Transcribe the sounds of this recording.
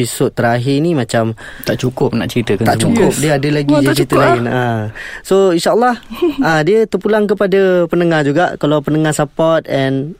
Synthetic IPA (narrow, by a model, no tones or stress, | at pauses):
isod̪̚t̪ːəɾaɦɪnimãt͡ʃamt̪aʔt͡ʃukʊp̚na̰ʔt͡ʃəɾit̪əkat̪at͡ʃukʊp̚diəadəlaɡid͡ʒt͡ʃit̪əlaɪnasoinʃaəlːɑhadiət̪ərpulaŋkəpadapənəŋahd͡ʒuɡaʔkalawpənəŋasapɔt̪̚ɛn